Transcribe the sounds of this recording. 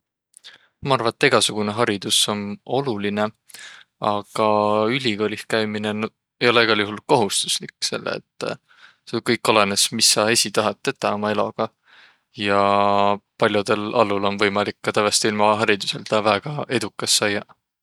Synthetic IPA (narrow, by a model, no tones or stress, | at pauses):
mɑɑrvɑet̪ːˑeɡ̥ɑsuɡ̥une̞ɦɑɾid̪̥uso̞no̞luline̞ | ɑɡ̥ɑylʲiɡo̞ːlʲihkæjminen | ejo̞le̞eɡ̥ɑljuhɦulko̞ɦust̪u̥slikːse̞̰lːḛḛt̪ːˑ | sekɤjkːˑo̞le̞nesmisːɑe̞sʲit̪ɑɦɑt̪ˑːe̞t̪ːˑɑomɑe̞lo̞̰ɡ̥ɑ | jɑ | pɑlʲjud̪e̞lɑlːulo̞nvɤjmɑlikːɑt̪ævest̪ilmɑɦɑɾid̪use̞lt̪ɑvæɡ̥ɑe̞d̪ukːˑɑsːɑjːɑ